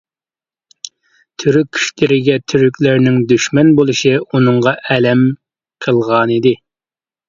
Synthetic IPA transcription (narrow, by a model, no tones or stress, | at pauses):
t̪ʰyɾykʲʰːy̥ʃlɪɾɪɡʲɛt̪ʰyɾykʲlɪɾnɪŋd̪yʃmɛnbolˠɨʃiunɨŋʁɑʔɛlɛm | qʰəlˠʁɑnid̪ɪ